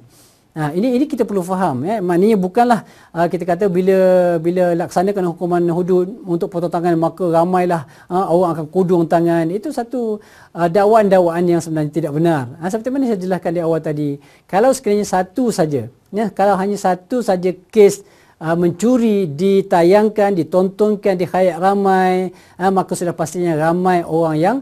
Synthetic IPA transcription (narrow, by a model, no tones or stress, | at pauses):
ainiːnikit̪apərlufaɦaməmaʔnəɲabukanlah | əkit̪akat̪̬abiləbiləlaksanakanhukumanɦudʊt̪̚unt̪ʊk̚pot̪ot̪aŋanmakaɾamãjlah | əoɾaŋakankudʊŋt̪aŋanit̪usat̪u | ədawaʔandawaʔanjaŋsəmənaɲat̪idaʔ̚bənarəs̬əpərt̪imanasajad͡ʒəlaskandiawalt̪adi | kalawsə̥kiɾaɲasat̪usad͡ʒa | nəhkalawɦaɲasat̪usad͡ʒakes | əmə̃ɲt͡ʃuɾidit̪ajaŋkandit̪ɔnt̪ɔŋkandihajaʔramaj | əmakasudahpast̪iɲaɾamãjʔoɾaŋjaŋ